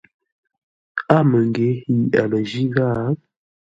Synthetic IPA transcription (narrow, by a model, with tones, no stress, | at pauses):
a˦mə˨ŋɡe˨˦ji˨a˨lə˨d͡ʒi˦ɣa˦